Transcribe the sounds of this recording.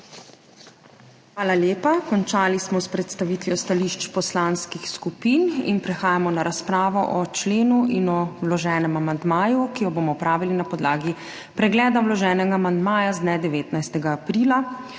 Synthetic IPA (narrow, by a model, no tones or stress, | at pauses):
xʋaːlaljeːpakɔnt͡ʃaːlismɔspɾɛt̪st̪aʋit̪ʋjɔst̪aliʃt͡ʃpɔslanskixskupiːnḭnpɾɛxaːjamɔnaɾaspɾaːʋɔʔɔt͡ʃleːnuʔinɔwlɔʒɛːnɛmamand̪maːjukijɔboːmɔpɾaːʋilinapɔd̪laːɡi | pɾɛɡlɛːd̪awlɔʒɛːnɛɡaːmand̪maːjazd̪nɛd̪ɛʋeːt̪najst̪ɛɡaːpɾiːla